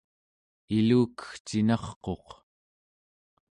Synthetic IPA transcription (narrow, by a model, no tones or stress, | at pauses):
iluːkə̥xt͡ʃinɑχqo̞q